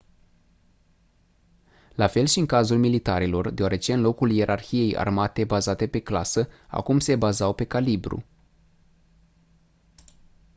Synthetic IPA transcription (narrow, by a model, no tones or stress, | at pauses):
lafe̞lʃiɨŋkazulmilit̪aɾilo̞rd̪eoaɾe̞t͡ʃe̞ɨnlo̞kulje̞ɾʔarçije̞ja̰rmat̪e̞bazat̪e̞pe̞klasəa̰kumse̞bazawpe̞kalibɾṵ